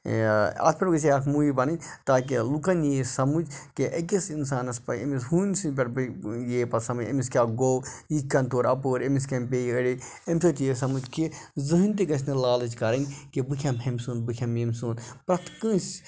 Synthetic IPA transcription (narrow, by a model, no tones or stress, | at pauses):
ɐ̰sʰpʲɐɾɡɐs̬eɐkʰmuːjibɐnɨnʲt̪aːk̬elukɐnjeːsɐmud͡ʒkeʔɐkesinsaːnɐspɐḛmishuːnsipʲɐɾbjeːpɐsɐmud͡ʒḛmiskʲaːɡoːwjikːɐnt̪oːɾɐpoːɾemiskʲɐmpeːiəɽi | emʲsɐt̪jesɐmud͡ʒkezɨɦɨnʲt̪̬ikɐs̬ʰʲnɐlaːlɐt͡ʃkɐɾɐnʲkebɨkʰʲɐmɦɐmʲsuːnbɨkʰʲɐmjemsuːnpɾɐt̪ʰkɨ̃ːs